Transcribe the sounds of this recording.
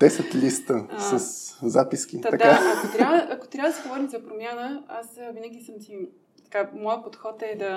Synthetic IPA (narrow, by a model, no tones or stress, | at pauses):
d̪ɛsɛt̪list̪əsɐszapiskʲit̪d̪ɐk̪aɐkot̪ɾavəʔɐko̥t̪ɾʲavəd̪ɐsɛɡovɔɾimzɐpɾomjanəasvinəɡ̟ʲisəmt̪i | t̪ɐ̥kamɔjəpot̪xɔt̪ɛd̪ɐ